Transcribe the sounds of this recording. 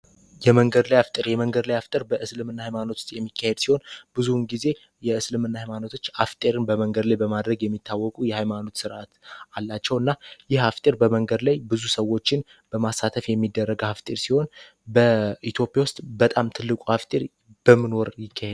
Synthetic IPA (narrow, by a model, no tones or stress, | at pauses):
jɛməŋɡəd̪lajaft̪ʼəɾjɛməŋɡəd̪lajaft̪ʼəɾbəʔɨslɨmɨnːahajmano̞t̪ʰu̥st̪ʼjɛmːikːahe̞d̪siho̞nb̥ɨzunɡize̞ | jɛɨslɨmɨnːahajmano̞t̪ʰo̞t͡ʃːaft̪ʼeɾɨnbəməŋɡəd̪lajbəmad̪ɾəɡjɛmːit̪ʰːawːɔkʼujɛhajmano̞t̪sɨɾʔat̪alːat͡ʃːɛwɨnːajɪhaft̪ʼeɾbəməŋɡəd̪lajbɨzusəwːo̞t͡ʃːɪn | b̥əmasːat̪ʰəfjɛmːid̪ːərːəɡhaft̪ʼeɾsiho̞n | bəit̪ʰjo̞pʼjawʊst̪ʼbət̪ʼamt̪ʰɨlːɨkʷʼuhaft̪ʼeɾ | b̥əmɨnoɾjɪkʰːahed̪